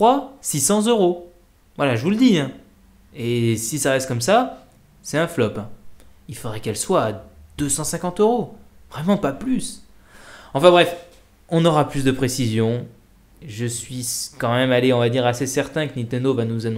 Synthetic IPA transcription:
χwasisɑ̃zøʁo | vwalaʒəvuləd̪iɛ̃ | esisaʁɛst̪̚kɔmsa | sɛt̪ɛ̃flɔpɛ̃ilfod̪ʁɛkɛlswaːd̪øsɑ̃sɛ̃kɑ̃t̪øʁovʁɛmɑ̃paplys | ɑ̃fɛ̃bʁɛf | ɔ̃nɔʁaplysd̪əpχesizjɔ̃ | ʒəsɥikɑ̃mɛmaleɔ̃vad̪iʁasesɛʁt̪ɛ̃kənĩt̪ɛnd̪ovanuzanɔ̃

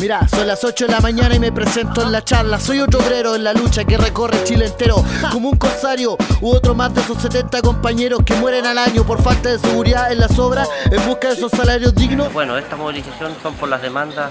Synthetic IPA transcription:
miɾasonlasot͡ʃoðelamaɲanaimepɾesent̪oenlat͡ʃaɾlaso̞jot̪oβɾeɾoenlalut͡ʃakereko̞ret͡ʃilent̪eɾokomouŋkonsaɾjouot̪ɾomazðeesosːet̪ent̪ako̞mpaɲeɾoskemweɾenalaɲopoɾfalt̪aðeseɣuɾiðaenlasoβɾaembuskaðesosːalaɾjozðiɣnosbwenoest̪amoβilisaθjonsompoɾlaðemand̪a

